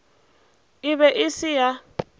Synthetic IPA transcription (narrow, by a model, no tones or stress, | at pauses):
ɪβɛʔɪsɪja